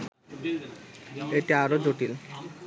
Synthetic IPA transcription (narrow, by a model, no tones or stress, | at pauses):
eʈiaɾod͡ʑoʈil